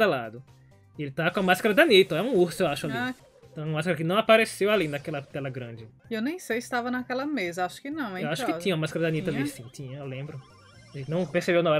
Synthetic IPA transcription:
alad̪ʊ | ɪelɪt̪akõɐmaskaɾɐd̪ɐnit̪ɐɛũuɾsʊewaʃʊali | t̪ɐ̃w̃ɛ̃ɐmaskɾɐkɪnɐ̃w̃apaɾesewalinɐakɛlɐt̪ɛlɐɡɾɐ̃d͡ʒɪ | ewnẽj̃sejst̪avɐnɐakɛlɐmezɐaʃʊ̥kɪnɐ̃w̃ɛewaʃʊkɪĩɲɐũɐmaskaɾɐd̪ɐ̃nit̪aisĩt̪ĩɲɐewlẽbɾʊ | ʒẽt̪nɐ̃w̃peɾsebewnõɛ

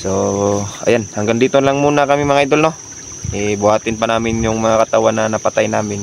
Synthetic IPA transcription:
soɐ̰janhaŋɡaŋd̪iːt̪onlaŋmuːnɐkɐmɪmɐŋajd̪olno | ʔɛbʊhaːt̪ɪnpɐnaːmɪnjʊŋmɐŋakɐt̪awanːɐnɐpat̪ajnaːmɪn

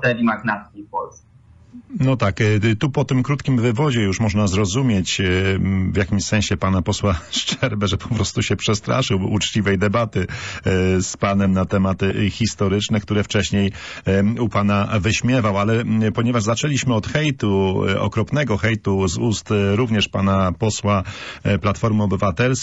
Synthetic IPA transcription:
t̪ɛɾʲimaɡnat̪skʲifpɔlsɛ | nɔt̪akt̪upɔt̪ɘmkɾut̪kʲimvɘvɔd͡ʑɛjuʂmɔʐnazɾɔzumʲjet͡ɕ | vjakʲimɕsɛ̃ɕɛpanapɔswaʂt͡ʂɛɾbɛʐɛpʰɔ̥pɾɔst̪uɕɛpʂɛst̪ɾa̰ʂɘwut͡ʂt͡ɕivɛjd̪ɛbat̪ɘ | spanɛmnat̪ɛmat̪xʲist̪ɔɾɘt͡ʂnɛkt̪uɾɛft͡ʂɛɕɲej | upanavɘɕmʲjɛvawalɛpɔɲɛvaʐzat͡ʂɛlʲiɕmɘɔt̪xɛjt̪uɔ̰kɾɔpnɛɡɔxɛjt̪uzust̪ɾuvɲɛʂpanapɔswaplat̪fɔɾmɔbɘvat̪ɛls

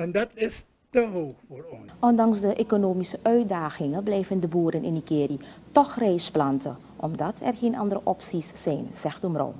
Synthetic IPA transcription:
ɛndɑtɪs | təɦoːpfoːɹɔnʔɔndɑŋsdəʔekonoːmisəʔœɥ̚daːxɪŋəblɛjvəndəbuːɾənʔɪniɡeːritɔxrɛjsplɑntə̰ | ʔɔmdɑtʰɛ̰rχeːnʔɑ̰ndəɾəʔɔpsisːɛjnz̥ɛxtumro̰w

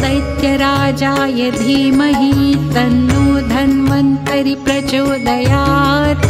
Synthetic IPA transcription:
sɐjt̪jɐɾaːd͡ʒaːjɐd̪ʱiːmɐɦit̪ɐnːuːd̪ʱɐnmɐnt̪ɐɾipɾɐt͡ʃoːd̪ɐjaːt̪

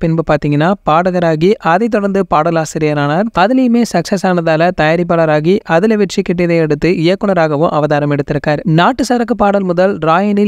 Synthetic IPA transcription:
pɪnbɯpaːɾt̪iːŋɡɐnːaːpaːɽɯɣɐɾaːɣiʔɐðɐɪt̪ːɔɽɐɾnd̪ɯpaːɽɐlaːsɪɾɪjɐnaːnaːɾɐðɪlɐjɯmeːsɐksɐsaːnɐðaːlɐt̪ɐjaːɾɪp̬ːaːɭɐɾaːɣiʔɐðɪlɐʋɛʈt͡ʃːikːɪʈ̬ːɐðɐɪɛɽɯt̪ːɯɪjɐkːɯɳɐɾaːɣɐʋʊ̃ʔɐʋɐðaːɾɐmɛɽɯt̪ːɪɾɯkːaːɾnaːʈːɯsɐɾɐkːɯpaːɽɐlmʊðɐlɾaːjɐnɪ

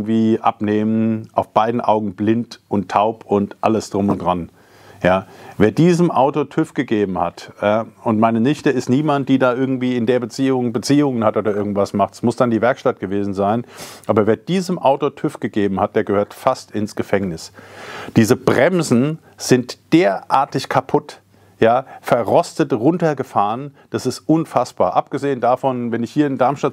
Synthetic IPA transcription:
tv̥iːʔa̰pneːmənʔaʊfb̥aɪdn̩ʔa̰ʊɡŋ̩blɪntʊntʰːaʊpʊntʔa̰ləsd̥ʁʊmʊntd̥ʁan | jaːveːɐdiːzəmʔaʊtotʰʏfɡ̥əɡeːbm̩hataʊntmaɪnənɪçtəɪstniːmant̚d̥iːdaːʔɪɐɡŋ̩tv̥iːɪndeːɐbət͡siːʊŋbət͡siːʊŋənhatʔoːdɐʔɪɐɡŋ̩tv̥asmaχtsmʊsd̥andiːvɛɐkʃtat̚ɡ̥əveːzn̩zaɪnʔaːbɐveːɐd̥iːzəmʔaʊtotʰʏfɡ̥əɡeːbm̩hat̚d̥eːɐɡəhøːɐtfastɪnsɡ̥əfɛŋnɪsd̥iːzəb̥ʁɛmzn̩ | z̥ɪntd̥eːɐʔa̰ːɐtɪçkʰapʰʊt | jaːfɛɐʁɔstətʁʊntɐɡəfaːʁən | d̥asɪstʔʊnfasb̥a̰ːɐʔap̚ɡ̥əzeːəndaːfɔnvɛnɪçhiːɐɪndaɐmʃta

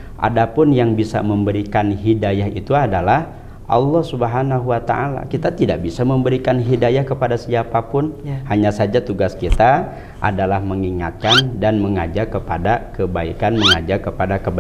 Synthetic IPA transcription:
ʔa̰dapʊnjaŋbisa̰məmbəɾikanɦidajaɦḭt̪uadalah | ʔɑ̰lːɔhsubəɦanaɦuwat̪a̰ʔala̰kit̪at̪idaʔ̚bisaməmbəɾikanɦidajahkəpadasiapapʊnhaɲasad͡ʒat̪uɡaskit̪a | ʔa̰dalahməŋiŋa̰t̪̚kandanməŋad͡ʒarkəpadakəbaḭkanməŋad͡ʒakəpadakəba

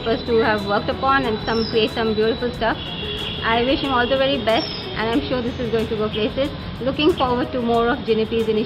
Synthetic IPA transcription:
pəsʈuhæʋːəɾk̚ʈəpɔ̃ːnɛ̃nsʌ̃mkɾieːʈsʌ̃mbjuːɾɪfʊlsʈʌf | ʔaɪʋɪʃhɪ̃mɔːld̪əʋɛɾibɛsʈ | ʔɛ̰̃nɖãɪ̃mʃuːɾd̪ɪsɪzɡoːɪ̃ŋʈuɡoːpleːsɪz | lʊkɪ̃ŋfɔːɾʋəɖ̚ʈumoːɾɔfd͡ʒɪ̃nɪpizɪ̃nɪ

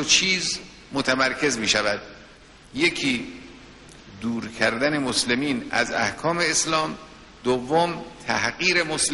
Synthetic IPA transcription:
ot͡ʃʰiːz | mot̪ʰæmæɾkʰe̞zmiːʃævæd̪ | jekʰiː | d̪uːɾkʰæɾd̪æne̞moslemiːnæ̰zæ̰hkʰɒːme̞ːslɒːm | d̪ovːomt̪ʰæhɢiːɾe̞mosl

